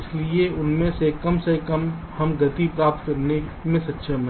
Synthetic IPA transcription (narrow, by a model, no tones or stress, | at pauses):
ɪslieʊnmẽsekəmsekəmhəmɡət̪ipɾaːp̚t̪̚kəɾnemẽsətːʃʰəm